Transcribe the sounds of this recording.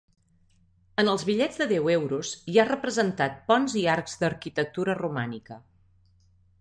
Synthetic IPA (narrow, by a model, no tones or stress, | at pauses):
ənəlˠzβiʎɛd͡zðəðɛwɛwɾuzjarəpɾəzənt̪at̪̚pɔnziaɾkzd̪əɾkit̪ək̚t̪uɾərumanikə